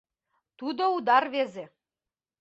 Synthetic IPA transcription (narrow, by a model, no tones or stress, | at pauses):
t̪ud̪oud̪ɑrβeze